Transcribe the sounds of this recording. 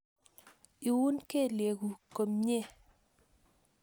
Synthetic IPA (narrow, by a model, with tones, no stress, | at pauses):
i˨wu˦nke˦˨lje˨ɡu˨ko˨mɲe˦˨